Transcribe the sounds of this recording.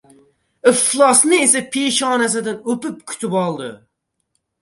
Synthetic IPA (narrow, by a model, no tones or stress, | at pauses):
ɨflˠɑsnɨesɛpʰeʃɑːnɛs̬ɪd̪ɪnøpyp̚kʲʰy̥t̪ʰybɑlˠd̪ɨ̰